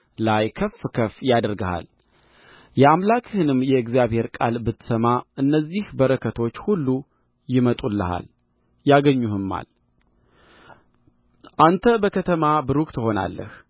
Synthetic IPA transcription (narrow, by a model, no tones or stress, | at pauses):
lajkʰəfkʰəfjad̪ɾɡaha̰l | jɛamlakʼhɨnɨmjɛɨɡzijaβhe̞ɾkʼa̰lbɨt̪ːɨ̥səmaʔɨnːəzːihbəɾəkʰət̪ʰo̞t͡ʃːhulːu | jɪmət̪ʼulːəha̰l | jaɡəɲːuhɨmːa̰l | ʔant̪ʰəbəkʰət̪ʰəmabɨɾuk̚ʼt̪ʰɨho̞na̰lːə̰h